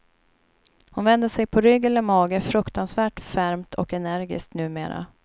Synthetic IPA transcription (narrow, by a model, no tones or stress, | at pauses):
hʊnvɛnd̪əsɛjpʰɔɾʏɡːɛləmɑːɡəfɾɵkt̪ansvæːʈfæɾmt̪ʰɔ̰kɛnæɾɡɪ̰skt̪nʉ̟ːmḛːɾa̰